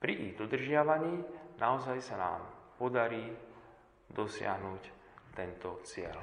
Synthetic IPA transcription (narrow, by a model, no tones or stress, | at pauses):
pɾiʔiɣd̪ɔd̪r̩ʒɪaʋaɲiːnʔaɔzajsana̰ːmpɔd̪aɾiː | d̪ɔsɪa̰ɦnuːc | t̪ɛnt̪ɔt͡sɪɛ̰l